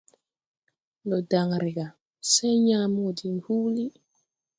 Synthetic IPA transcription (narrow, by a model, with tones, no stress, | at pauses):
lɔ˨da˨ŋɾi˨ɡa˨ | sɛ˦ɲa˦mo˦˨di˨n˨hu˦li˦